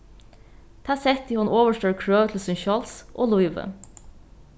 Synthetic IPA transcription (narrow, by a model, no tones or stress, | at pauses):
t̪ʰæːsɛt̪iːhɑnʔoːʋəʃʈøːɹkʰɹøːʋt̪ʰl̩sʉnçɔlsʔo̰ːlʊɪʋə̰